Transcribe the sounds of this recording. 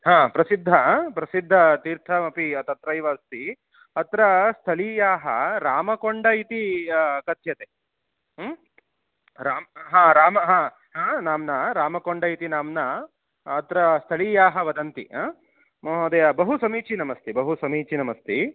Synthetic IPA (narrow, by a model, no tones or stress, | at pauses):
ɦãːpɾɐsid̪ʱːɐpɾɐsid̪ʱːɐt̪iːɾt̪ʰɐmɐpiɐt̪ɐt̪ɾɐjʋɐːst̪i | ɐt̪ɾɐst̪ʰɐliːjaːɦɐɾaːmɐkoɳɖɐit̪ikɐt̪jɐt̪e | ɾaːmɦãːɾaːmɐɦãː | ɦãːnaːmnɐɾaːmɐkoɳɖɐjit̪inaːmnɐː | t̪ɾɐst̪ʰɐliːjaːɦɐʋɐd̪ɐnt̪ḭ | mːɦd̪ɐjɐbɐɦusɐmiːt͡ʃinɐmɐst̪ʰebɐɦusɐmiːt͡ʃinɐmɐst̪ʰi